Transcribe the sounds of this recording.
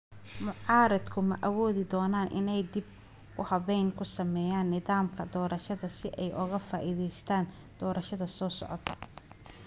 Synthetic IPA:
mʊʕɑːɾɐd̪kʰʊmɐʔɐwɔːðɪd̪ɔːnaːnʔɪ̰nɛjd̪ɪb̚ | ʊhɐβɛjŋkʰʊsɐmɛːjaːnːɪðaːmkʰɐd̪ɔːɾɐʃɐðɐsɪʔɛjʔʊɣɐfaːʔiðɛjst̪ʰaːn | d̪̥ɔːɾʔɐʃɐðɐsɔːsɔ̰ʕɔ̰t̪ʰɔ̥

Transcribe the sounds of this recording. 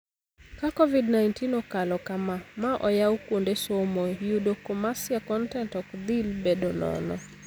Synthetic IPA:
kakɔvidnajntinɔkalɔkamamaʔɔjaukundesomɔjudokɔmasiakɔntɛntɔkd̪ilbɛdɔnɔ̰nɔ̰

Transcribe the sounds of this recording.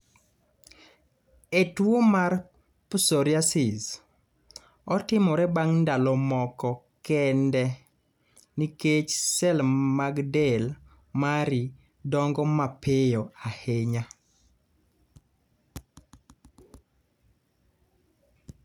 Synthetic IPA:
etwomar | pusɔɾjasɪz | ɔtɪmɔɾɛbaŋndalɔmɔkɔ | kɛndɛ | niket͡ʃsɛlmaɡdɛl | maɾi | dɔŋɡɔmapejɔaheɲa

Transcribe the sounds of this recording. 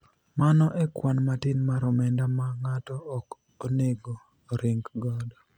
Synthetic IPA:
manɔʔɛkwanmatɪnmaɾɔmɛndamaŋatɔːk | oneɡoː | ɾɪŋɡɡɔdɔ

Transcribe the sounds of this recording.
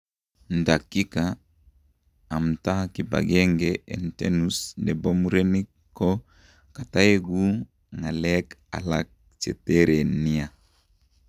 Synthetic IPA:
ndakːika | mtakiba̰ɡɛŋɡeɛ̰ntenusndɛbomuɾenikː | ɔ | kataeɡu | ŋalɛka̰lak̚ | t͡ʃḛteɾenia

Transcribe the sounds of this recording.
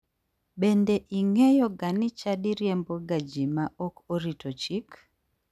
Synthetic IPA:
bendeʔiŋejɔɡanɪt͡ʃadiɾjɛmboɡad͡ʒimaʔokoɾitot͡ʃik

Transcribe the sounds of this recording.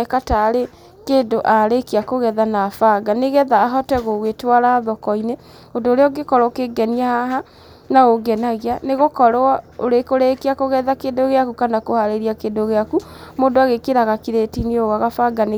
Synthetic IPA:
ɛkataɾe | keːndoʔaɾekeakoɣɛðanafaɡaneɣɛðaːɦɔtɛɣoɣwetwaɾaːðɔkɔine | ondoːɾeɔɡekɔɾɔkeɡɛniahaɦa | naoɡɛnaɣianeɣokɔɾaoɾekoɾekeakoɣɛðakeːndoɣeakukanakohaɾeɾiakeːndoɣeaku | moːndoaɣekeɾaɣakiɾetinioɣwaɣafaɡane

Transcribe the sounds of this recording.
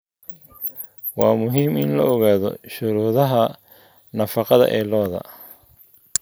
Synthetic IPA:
wɑːmʊɦiːmɪnlɐɔɣaːðɔ̰ʃʊɾuːðɐɦɐ | nɐfɑqɑðɐ̰ʔɛːlɔːðɐ̰

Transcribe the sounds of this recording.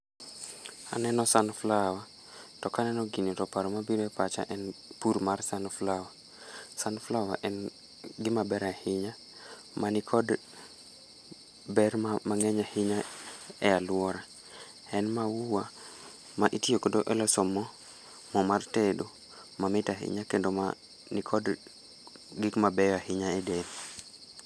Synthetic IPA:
a̰nɛnɔsanflawa | tɔkanɛnɔɡinitɔpaɾɔmabiɾɛpat͡ʃa̰ʔɛnpuɾmarsanflawa | sanflawa̰ʔɛn | ɡɪmabɛɾahɪɲa | manikʰɔd | bɛrmaŋɛɲahɪɲaɛalwɔɾa | ɛnmawuwa | maʔitiokodoʔɛlɔsɔmɔ | mɔmartedo | mamɪtaɦɪ̰ɲakendoma | nikʰɔd | ɡɪkmabɛjɔahɪɲaɛden

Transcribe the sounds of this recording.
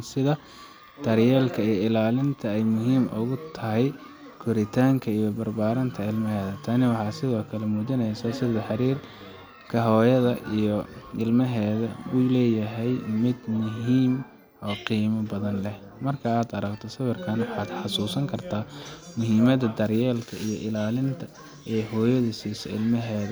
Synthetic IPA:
sɪðɐ | d̪̥ɐrjɛːlkʰɐijɪlaːlɪnt̪ʰɐɛjmʊɦiːmʔʊ̰ɣʊt̪ʰɐɦɛj | kʰʊɾɪt̪ʰaːŋkʰɐijɞbɐrbaːɾɐnt̪ʰɐɪlmɐɦɛːðɐt̪ʰaːnɪwɑħɑːsɪðɔːkʰɐlɛmuːdɐnɛjsɐsɪðɐħɑɾiːr | kʰɐɦɔːjɐðɐʔijɔɪlmɐɦɛːðɐwuːlɛːjɐɦɛjmɪd̪mʊɦiːm | ɔːqiːmɐbɐðɐnlɛh | mɐrkʰɐaːd̪ɐɾɐɡt̪ʰɔsɐwɐrkʰɐnwɑħɑːd̪ħɑsuːsɐŋkʰɐrt̪ʰaːmʊɦiːmɐðɐd̪ɐrjɛːlkʰɐijɔʔɪlaːlɪnt̪ʰɐ | ɛːɦɔːjɐðɐsiːsɛ̰ɪ̰lmɐɦɛːðɐ

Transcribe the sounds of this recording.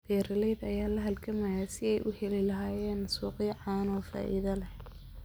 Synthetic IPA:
b̥ɛːɾɐlɛjðɐjaːlɐɦɐlkʰɐmɐjaːsɪɛjʔʊhɛlɪlɐɦaːjɛːnsuːqiːʕaːnɔːfa̰ːʔḭðɐlɐh

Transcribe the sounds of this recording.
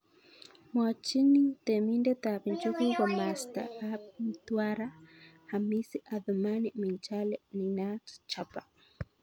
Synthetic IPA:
mwat͡ʃinit̪ɛmindɛt̪aβint͡ʃukuɡamast̪a̰ap̚m̩t̪waɾa | hamisiʔaðumanimint͡ʃalɛninatt͡ʃapa

